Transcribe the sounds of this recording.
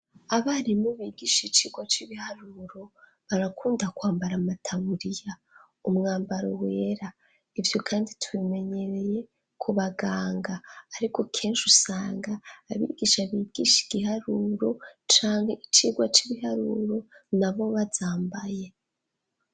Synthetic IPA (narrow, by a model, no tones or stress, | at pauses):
aβaɾimoβiɡiʃit͡ʃiːɡwat͡ʃiβihaɾuɾo̞ | βaɾakuːndakwaːmbaɾamatʰaβuɾija | umŋaːmbaɾo̰we̞ːɾa | ivjo̞kʰaːnditʰuβime̞ɲe̞ɾe̞je̞ | kʰuβaɡaːŋɡaːɾiko̞kʰe̞ːnʃusaːŋɡaːβḭːɡiʃaβiːɡiʃi̥ɡ̥ihaɾuːɾo̞t͡ʃaːŋheit͡ʃiːɡwat͡ʃiβiɦaɾuɾo̞naβo̞βazaːmbaje̞